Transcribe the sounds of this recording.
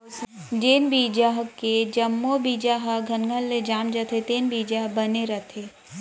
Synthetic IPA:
d͡ʒeːnbiːd͡ʒaɦked͡ʒɐmːobiːd͡ʒaːɦəɡʱɐnɡʱəlːed͡ʒaːmd͡ʒət̪ʰet̪eːnbiːd͡ʒaɦbɐneɾɐt̪ʰeː

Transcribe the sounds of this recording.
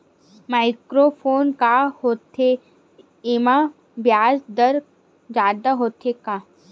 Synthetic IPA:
maːɪkɾopʰoːnkahoːt̪ʰe | ɪma | bjaːsd̪əɾ | d͡ʒaːd̪aɦoːt̪ʰekaː

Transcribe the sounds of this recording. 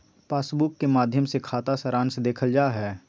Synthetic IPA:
paːsbʊkːemaːd̪ʱjəmsekʰaːt̪asəɾãːnsd̪eːkʰəld͡ʒaːɦɛː

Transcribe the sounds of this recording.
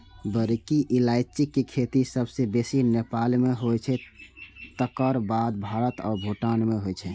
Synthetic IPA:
bəɾkiʔilaɪt͡ʃikːekʰet̪isəbsebesinepalmeɦojt͡ʃʰɛ | t̪əkəɾbad̪̚bʱaɾət̪ɔ̰ːɾbʱuʈanmeɦojt͡ʃʰɛ

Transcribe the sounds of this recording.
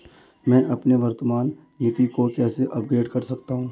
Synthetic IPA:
mɛ̃ːʔɐpneʋɐɾt̪əmaːnː | ɪt̪ikokɛːseʔɐpɡɾeːɖkɐɾsɐkt̪aɦũː

